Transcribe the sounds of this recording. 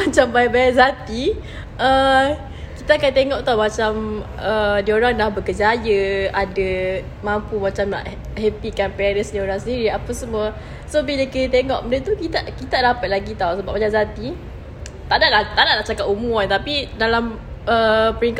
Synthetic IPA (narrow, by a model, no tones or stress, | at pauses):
mat͡ʃambajbajaʔzat̪i | ʔə | kit̪aːkant̪eŋɔʔt̪awmat͡ʃam | ədioɾaŋlahbəkəd͡ʒajəadə | mampumat͡ʃamna̰ʔ | hɛpikanpɛaɾəsdioɾaŋsəndiɾiapəsəmuə | sobiləkinət̪eŋɔʔməndət̪ukit̪aʔkit̪adapat̪̚laɡit̪awsəbaʔ̚majazat̪i | t̪aʔdaʔlaht̪aʔdaʔnaʔt͡ʃakatumuant̪apidalam | əpəɾiŋk